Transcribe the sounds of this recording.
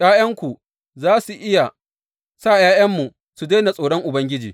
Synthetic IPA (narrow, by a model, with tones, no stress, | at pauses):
jaː˦jɐ˦ŋkʷu˨ | zaː˦su˨ʔɪ˦ja˨ | saː˦˨jaː˦jɐ˦mːu˨ | su˨deː˦na˨sʼoː˨ɽɔ˦ŋʔʊ˨bɐ˦ŋɡʲɪ˦d͡ʒḭː˨